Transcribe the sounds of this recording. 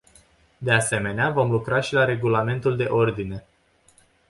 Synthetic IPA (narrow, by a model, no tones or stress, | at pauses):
d̪e̞ase̞me̞neavo̞mlukɾaʃilaɾe̞ɡulame̞nt̪uld̪e̞ʔo̞rd̪ine̞